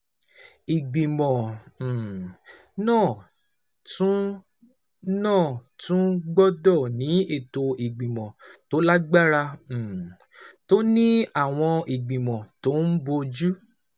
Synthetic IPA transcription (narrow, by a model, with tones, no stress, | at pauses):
i˨ɡ͡bĩ˨mɔ̃˨ | nãː˦˨ | tũ˦ | nãː˦˨tũ˦ɡ͡bɔ˦dɔ˦˨nĩ˨˦e˦˨to˧i˨ɡ͡bĩ˨mɔ̃˨to˨˦la˦ɡ͡ba˦ɾã˧˨ | to˦nĩ˦a˦˨w̃ɔ̃˧i˨ɡ͡bĩ˨mɔ̃˨to˦n̩˦bo˧d͡ʒu˦